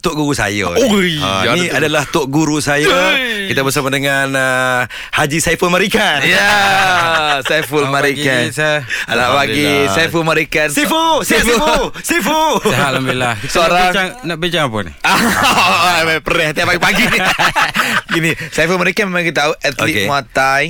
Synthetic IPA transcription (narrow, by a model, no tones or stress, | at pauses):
t̪ʊʔɡuɾusa̰jə̰ | niadalaht̪ʊʔɡuɾusajəkit̪abəs̬amadəŋanə | had͡ʒisajfəlmaɾikanja | sajfulmaɾikananaʔpaɡisaifulmaɾikansifusisifuɦalambilahsoɾaŋaŋnaʔbiɲt͡ʃaŋapə̰n̰a | bapəɾɛhat̪iapaɡipaɡi | ɡinisaifəlmaɾikanmmakit̪auʔɛt̪liʔemuat̪aj